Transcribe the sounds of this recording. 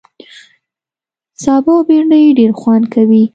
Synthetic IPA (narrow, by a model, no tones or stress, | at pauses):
sɑbɑbeɳɖəjeɖeɾxwankawi